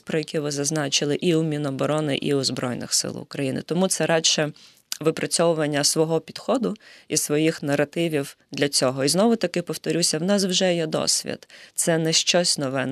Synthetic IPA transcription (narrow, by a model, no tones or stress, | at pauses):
pɾɔjɐkʲiʋɪzɐznɑt͡ʃɪlˠɪʔiumʲinɔbɔɾɔnɪ̰ʔḭʊzbɾɔ̰jnɪ̰xsɪ̰lˠʊ̰kɾɐjinɪ̰t̪ɔmut̪sɛɾɑʃɛ | ʋɪpɾʔɐt͡sʲɔʋʊʋɐnʲːɐsʋɔɦɔpʲid̪̥xɔd̪ʊisʋɔjixnɐrɐt̪ɪʋʲiwd̪lʲɐt͡sʲɔɦɔiznɔʋʊt̪ɐkɪpɔwt̪ɔɾʲusʲɐwnɑswʒɛjɛd̪ɔ̰sʲʋʲḭd̪̥t̪sɛnɛʃt͡ʃɔsʲnɔʋɛn